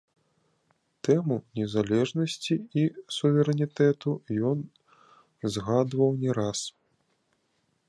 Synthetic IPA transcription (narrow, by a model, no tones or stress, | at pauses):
t̪ɛmunʲɛzalʲɛʐnɐsʲt͡sʲiisuvʲɛɾɛnʲit̪ɛt̪ujɔn | zɣad̪vɐwnʲɛɾas